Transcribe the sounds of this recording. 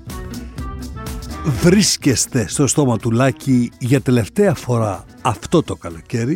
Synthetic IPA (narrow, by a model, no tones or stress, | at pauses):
vɾiscest̪e̞st̪o̞st̪o̞mɐt̪ulɐciʝɐt̪e̞le̞ft̪eɐfo̞ɾɐː | ft̪o̞t̪o̞kɐlo̞ce̞ɾi